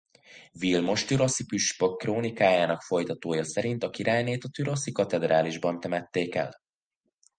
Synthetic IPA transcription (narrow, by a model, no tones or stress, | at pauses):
vilmo̞ʃt̪yɾo̞sipyʃpo̞kːroːnikaːjaːnɒkfo̞jt̪ɒt̪oːjɒsɛɾint̪ɒkiɾaːjneːt̪ɒt̪yɾo̞sikɒt̪ɛd̪raːliʒbɒnt̪ɛmɛt̪ːeːkɛ̰l